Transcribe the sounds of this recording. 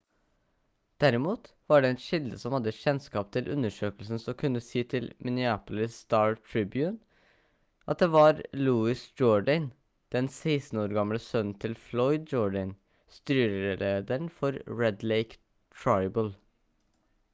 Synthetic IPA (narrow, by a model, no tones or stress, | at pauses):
d̪̥æɾɪmuːt̪ | ʋɑɖɛɛt̪ʃɪld̪əsɔmhɑd̪ːəçɛnskɑːpt̪ʰɪlʔʉ̰nəʂøːkəlsn̩sɔmkʰʉnːəsiːt̪ʰɪlmʔɪnɪʏæːpl̩ɪst̪ɑːɹt̪ʰɹɪbjʉːn | ʔɑt̪̚d̪eːʋɑɾluːɪsd͡ʒɔɖən | d̪̥ɛnsæɪst̪n̩oːɾɡɑmləsœnn̩t̪ʰɪlflɔʏd̪̚d͡ʒɔːɖən | st̪yːɾəɾəleːd̪əɾɳ̩fɔɾɹɛd̪leɪk | t̪ʰɹɑɪbəl